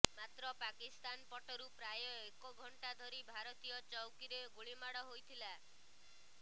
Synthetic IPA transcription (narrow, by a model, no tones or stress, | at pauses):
mat̪ɾɔpakist̪anpɔʈɔɾupɾajɔekɔɡʱɔɳʈad̪ʱɔɾibʱaɾɔt̪ijɔt͡ʃɔwkiɾeɡuɭimaɽɔɦojt̪ʰila